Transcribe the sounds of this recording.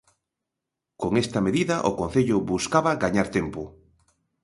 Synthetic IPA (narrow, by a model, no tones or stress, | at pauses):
koŋest̪ɐmeðiðɐʔo̰kõn̟θeʎʊβuskaβɐɣaɲaɾt̪empʊ